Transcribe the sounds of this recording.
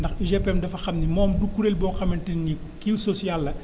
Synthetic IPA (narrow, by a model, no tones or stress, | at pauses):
ndɐxiʒɛpɛmdɐfɐxɐmnimɔːmdukːuɾelbɔːxɐmɐntɐnnikiwsɔsijalːɐ